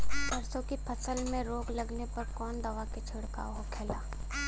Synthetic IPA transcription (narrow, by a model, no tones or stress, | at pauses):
tɐɾsõkipʰɐsəlmẽɾoːɡlɐɡnepɐɾkɔːnd̪ɐʋaket͡ʃʰʊɽka̰ːɦokʰɛːlaː